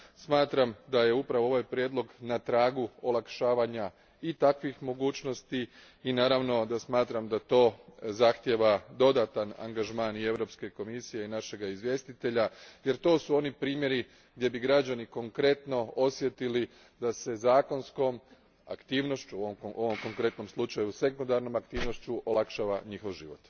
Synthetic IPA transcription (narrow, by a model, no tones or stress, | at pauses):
smaːt̪ɾamd̪aje̞upɾaʋo̞o̞ʋajpɾʲjeːd̪lˠo̞ɡnat̪ɾaːɡuolˠakʃaːʋaɲa | it̪akʋixmo̞ɡuːt͡ʃno̞st̪i | inaːɾaʋno̞d̪asmaːt̪ɾamd̪at̪o̞ːzaxt̪jeʋad̪o̞d̪at̪ana̰ŋɡaʒmaːnie̞ʋɾo̞pske̞ko̞misije̞inaʃe̞ɡaizʋje̞st̪it̪e̞ʎaje̞ɾt̪o̞ːsuo̞nipɾiːmje̞ɾi | ɡd̪ʲje̞biɡɾad͡ʑd͡ʒaniko̞ŋkɾe̞t̪no̞osʋje̞t̪ili | d̪ase̞zaːko̞nsko̞m | a̰kt̪iːʋno̞ʃt͡ʃuoʔoʋomko̞ŋkɾe̞t̪no̞mslˠut͡ʃajuse̞kund̪aɾno̞makt̪iːʋno̞ʃt͡ɕuʔolˠakʃaʋaɲixoʋʒḭʋo̞̰t̪